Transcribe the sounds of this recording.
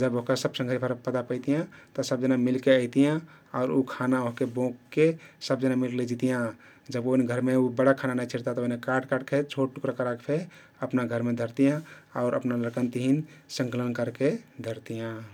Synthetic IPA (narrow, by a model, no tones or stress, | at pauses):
d͡ʒəboɦkasəbsə̃ŋɡʱəɾipʰəɾpət̪apəɪt̪ijãt̪ɔsəbd͡ʒənamilkeəɪt̪ijã | aʊɾukʰanaoɦkebõkːesəb̚d͡ʒənamilkled͡ʒit̪ijã | d͡ʒəboinɡʱəɾmeubəɽakʰananajt͡ʃʰiɾt̪at̪ɔoɦinekaɾɖkaɖkʰet͡ʃʰoʈ̚ʈukɾakəɾakpʰe | əpnaɡʱəɾmed̪ʱəɾt̪ijãaʊɾʔə̰pnaləɾkənt̪iɦinsə̃ŋkələnkəɾked̪ʱəɾt̪ijã